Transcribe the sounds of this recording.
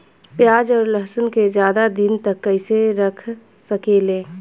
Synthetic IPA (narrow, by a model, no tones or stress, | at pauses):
pjaːd͡ʒɔːɾləɦsʊnked͡ʒjaːd̪ad̪ɪnt̪ɐkːəɪseɾɐkʰ | səkeːlẽː